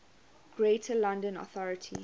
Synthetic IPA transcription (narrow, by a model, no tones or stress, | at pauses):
ɡ̥ɹetʰəlãndə̃nɔ̰θɔɹətʰḭ